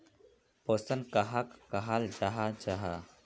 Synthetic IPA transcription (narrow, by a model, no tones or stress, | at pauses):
poːsənkaɦakkaɦald͡ʒaɦat͡ʃaɦa